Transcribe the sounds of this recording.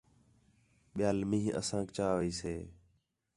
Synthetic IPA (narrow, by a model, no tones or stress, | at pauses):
ɓɪjaːlmĩːʔə̰sãːkt͡ʃaːʋiːseː